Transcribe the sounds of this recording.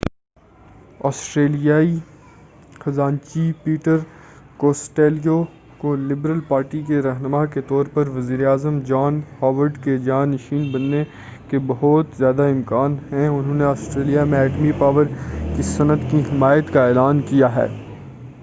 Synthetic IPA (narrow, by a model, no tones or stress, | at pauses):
ɔːsʈɾeːlijaːi | xɐzaːnt͡ʃipiːʈəɾkoːsʈeːlijo | kolɪbɾəlpaːɾʈikeɾɐɦnəmaket̪ɔːɾpɐɾʋɐziːɾeaːzəmd͡ʒaːnhɔːʋəɾɖked͡ʒaːnɐʃiːnbɐnːe | kebɐɦʊt̪zjaːd̪aɪ̃mkaːnɦɛ̃ʊnɦõːneaːsʈɾeːlijamẽɛːʈmipaːʋəɾkisɐnət̪kiɦɪmaːjət̪kaeːlaːnkijaɦɛ̰ː